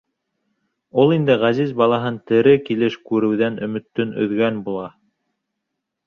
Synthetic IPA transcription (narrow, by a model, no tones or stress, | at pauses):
ulˠind̪ɘʁæzizbɑlˠɑɦɤnt̪ɘ̆ɾɘkilɘʃkʉɾɘ̆wðænɵ̆mɵ̆t̪ːɵnɵ̰̆ðɡænbulˠɑ